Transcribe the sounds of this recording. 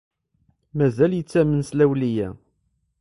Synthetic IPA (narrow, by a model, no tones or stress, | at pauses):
mæzæljət͡sːæmənslæwlijæ